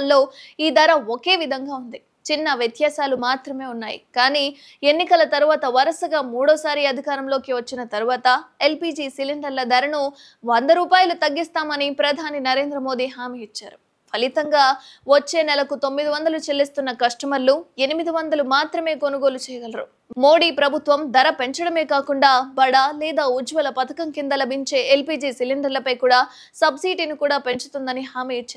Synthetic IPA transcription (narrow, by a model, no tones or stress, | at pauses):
lːo̞ːiːd̪ɐɾɐoke̞ːʋid̪ʱɐŋɡaːund̪i | t͡ʃinːɐʋjɐt̪jaːsaːlumaːt̪ɾɐme̞ːunːaːjḭkaːniː | e̞nːikɐlɐt̪ɐɾuʋaːt̪ɐʋɐɾɐsɐɡaːmuːɽɔːsaːɾiɐd̪ʱikaːɾɐmlo̞ːkiʋɐt͡ʃːinɐt̪ɐɾuʋaːt̪ɐe̞lpiːd͡ʒiːsiliɳɖɐɾlɐd̪ɐɾɐnu | ʋɐnd̪ɐɾuːpaːjɐlut̪ɐɡːist̪aːmɐnipɾɐd̪ʱaːninɐɾe̞ːnd̪ɾɐmo̞ːd̪iɦaːmiːit͡ʃːa̰ːɾu | pʰɐlit̪ɐŋɡaːʋɐt͡ʃːe̞ːnɛlɐkut̪o̞mːid̪iʋɐnd̪ɐlut͡ʃelːist̪unːɐkɐʂʈɐmɐlːue̞nimid̪iʋɐnd̪ɐlumaːt̪ɾɐme̞ːko̞nuɡo̞ːlut͡ʃɛːjɐɡɐlɐɾṵ | mo̞ːɽiːpɾɐbʱut̪ʋɐmd̪ɐɾɐpe̞ɲt͡ʃɐɽɐme̞ːkaːkuɳɖaːbɐɽaːlɛːd̪aːud͡ʒʋɐlɐpɐt̪ɐkɐŋkind̪ɐlɐbʱiɲt͡ʃe̞ːʔelpiːd͡ʒiːsiliɳɖɐɾlɐpɐjkuːɽaː | sɐbsiːʈinikuːɽaːpe̞ɲt͡ʃu̥t̪und̪ɐniɦaːmiːit͡ʃːɐ